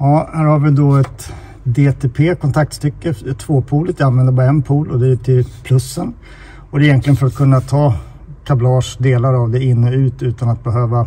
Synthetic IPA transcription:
jɑːhæːɾhaɾvɪd̪ɔɛt̪ | d̪eːt̪ʰeːpʰeːkʰɔnt̪ʰak̚t̪st̪ʏkːət̪ʰv̥oːpʰuːlət̪vɪanvɛnd̪əɾbɑɾaɛnpʰuːlɔd̪ɛʈʰɪlpʰlɵsːən | ɔd̪ɛɪjɛnk̪lɪənfœɾat̪̚kʰɵnːat̪ʰɑː | kʰablɑːʂd̪eːlaɾavd̪ɛɪnːəʉ̟ːt̪ʉ̟ːt̪anat̪̚bɛɦøːva

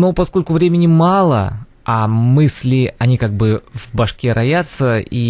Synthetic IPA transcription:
nopɐsko̞lʲkʊvɾʲemʲɪnʲɪmɑlˠə̰ | ɐmɨsʲlʲɪɐnʲikaɡ̚bɨvbɐʂkʲeɾʔɐjat̪səi

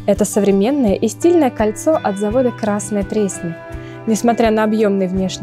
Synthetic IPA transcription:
ɛt̪əsəvɾʲɪmʲe̞nːəjəʔɪsʲtʲilʲnəjəkɐlʲt̪soʔɐt̪zɐvo̞d̪əkɾasnɨjət̪ɾʲesʲnʲɪ | nʲɪsmɐt̪ɾʲanəɐbjo̞mnɨjvnʲe̞ʂnʲɪ

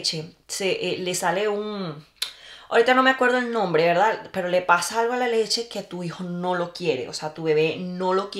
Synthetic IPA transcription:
t͡ʃe | seʔelesaleũŋ | o̰ɾit̪anõmeakwe̞ɾðoelnõmbɾeβeɾðapeɾolepasaalɣoalalet͡ʃe̞ket̪uixonõlo̞kjeɾḛʔo̰seat̪uβeβenõlo̞k

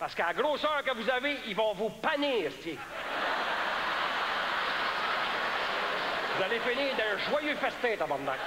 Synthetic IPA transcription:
paʁsə̥kəaɡʁoːsœːʁkəvuzaveivɔ̃vupaniːʁsse | vuzalefɪniːʁd̪ɛ̃ə̃ʒwajøfɛst̪ɛːt̪abɑ̃nd̪ã̰k

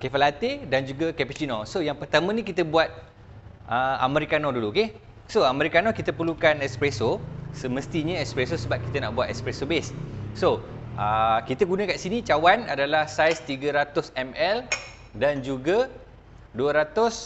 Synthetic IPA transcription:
kɛfəlat̪edand͡ʒuɡakɛpit͡ʃinɔsojaŋpərt̪amə̃nĩkit̪əbuat̪̚ | ʔəa̰məɾikanɔduluoke | soaməɾikanɔkit̪əpərlukanɛkspɾesosəmə̃st̪iɲəɛkspɾesosəbap̚ki̥t̪əna̰ʔbuat̪ɛ̰kspɾesobesːoʔəkit̪əɡunãkaʔsinit͡ʃawanadalahsajst̪iɡəɾat̪ʊsɛmɛl | dand͡ʒuɡa | duəɾat̪ʊs

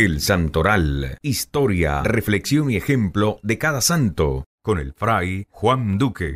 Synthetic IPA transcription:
elsant̪oɾalist̪oɾja̰refleksjo̞niexemplo̞ðekaðasant̪o̰ko̞nḛlfɾajxwand̪ukḛ

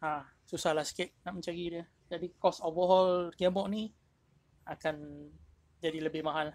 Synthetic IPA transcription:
ã | susahlahsə̥kɪt̪̚naʔmə̃t͡ʃaɡidiə | d͡ʒadikɔsovəɦɔlkɛbɔʔ̚ni | akan | d͡ʒadiləbɪhmaɦal

